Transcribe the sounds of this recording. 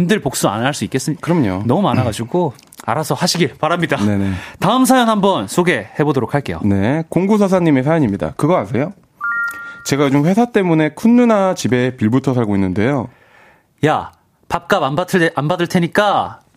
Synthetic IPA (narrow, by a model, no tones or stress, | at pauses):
undɯɭpok̚s͈ua̰nɦaɭs͈uik͈e̞s͈ɯkɯɾʌmɲo̰nʌmumanaɡad͡ʑiɡo | a̰ɾasʰʌhaɕʰiɡiɭpaɾamɲidane̞ne̞taɯmsʰajʌŋɦambʌnsʰoɡe̞he̞bodoɾokʰaɭk͈e̞jo̰ne̞koŋɡus̬ʰʌsʰaɲːime̞sʰajʌɲimɲida̰kɯɡʌansʰe̞jo | t͡ɕe̞ɡat͡ɕomɸwe̞sʰat͈e̞mune̞kʰunːunat͡ɕibe̞piɭbutʰʌsʰaɭɡoinːɯnde̞jo | ja | pap̚k͈ababatʰanbadɯɭtʰeɲik͈a